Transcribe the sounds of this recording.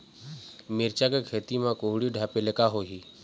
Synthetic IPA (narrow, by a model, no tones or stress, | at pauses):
mɪɾt͡ʃakekʰeːt̪imãkoɦɽiɖʱaːpelekaɦoɦi